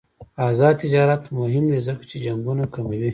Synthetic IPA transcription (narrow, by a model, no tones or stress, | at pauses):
ɑːzɑd̪̚t̪ɪd͡ʒɑɾat̪mʊɦɪmd̪ezəkḁt͡ʃed͡ʒaŋɡunakamawi